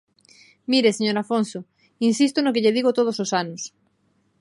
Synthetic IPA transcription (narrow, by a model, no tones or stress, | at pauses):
miɾeseɲoɾafonso | insist̪onokeʎeðiɣot̪oð̞ososanʊs